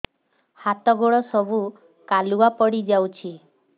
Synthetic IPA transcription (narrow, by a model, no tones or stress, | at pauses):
hat̪ɔɡoɭɔsɔbu | kaluapɔɽid͡ʒawt͡ʃʰi